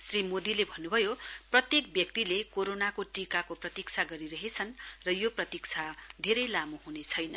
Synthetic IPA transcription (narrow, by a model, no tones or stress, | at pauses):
srimod̪ilebʱʌnːubʱʌjoprʌt̪jek̚bjʌk̚t̪ilekoɾonakoʈikakoprʌt̪ikt͡sʰaɡʌɾiɾʌɦet͡sʰʌnrʌjoprʌt̪ik̚t͡sʰad̪ʱeɾʌjlamuɦunet͡sʰʌjnʌ